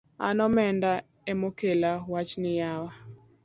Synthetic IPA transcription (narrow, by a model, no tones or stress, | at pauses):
a̰nɔmɛnda | emokelawat͡ʃnɪjawa